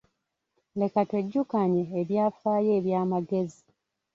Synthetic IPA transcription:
le̞katwe̞ɟːukaɲeːβjaːfaːje̞ːβjaːmaɡe̞zi

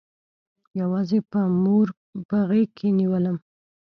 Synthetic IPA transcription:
jawɑzepəmuɾ | baɣekʰːeniwələm

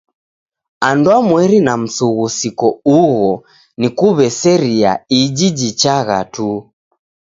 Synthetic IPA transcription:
andwamwɛɾinam̩suɣusikɔuɣɔ | nikuβɛsɛɾia̰id͡ʒid͡ʒit͡ʃaɣa̰tu

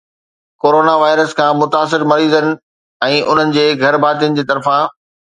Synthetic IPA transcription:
koːɾoːnaʋaːɪɾəskʰãːmʊt̪aːs̬ɪɾmɐɾiːzənɪ̆ | ɛ̃ːʔʊn̤ənɪ̆d͡ʑeːɡʱɐɾbʱaːt̪̬ijənɪ̆d͡ʑeːt̪ɐɾfã

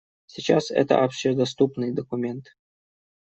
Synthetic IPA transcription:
sʲit͡ɕasɛ̰t̪ə̰ʔɐpɕed̪ɐst̪upnɨjd̪əkʊmʲent̪

